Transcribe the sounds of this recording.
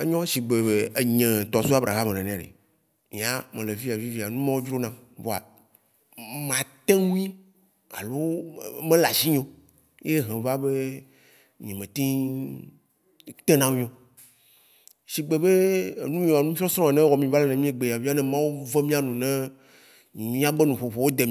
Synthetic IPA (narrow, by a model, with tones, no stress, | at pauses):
e˦ɲɔ̃˦ʃi˨ɡ͡be˨be˨e˨ɲɛ̃˨t̪ɔ˨su˦a˦bɾa̰˨ɦa˦mẽ˨nɛ̃˨nɛ̃˨a˨ḛ˨ | mĩ˨˦a˦mẽ˨le˨vi˦a˨vi˦vi˨a˨nũ˦mã˦wo˦d͡ʒɾo˦nã˦vo˨a̰˨ | mã˨t̪ẽ˦nũ˦ĩ˦ | a̰˨lo˦mẽ˦la˨ʃi˦ɲõ˦ | je˦ɦɛ̃˨va˦be˦ | ɲɛ̃˨mẽ˨t̪ĩ˦ | t̪e˦nã˦mĩ˦õ˨ | ʃi˨ɡ͡be˨be˦˨nũ˦mĩ˦˨a˨nũ˦fi˦ɔ˦sɾɔ̃˦a˨nɛ̃˦wɔ˨mĩ˨va˦le˦nẽ˨mĩ˦e˦ɡ͡be˨ja˨vi˦a˦nɛ̃˦mã˦wo˦ve˦mĩ˦a˦nũ˨nɛ̃˦˨˦ | mĩ˦a˦ɡ͡be˦nũ˨ɸo˨ɸo˨wo˦d̪e˨m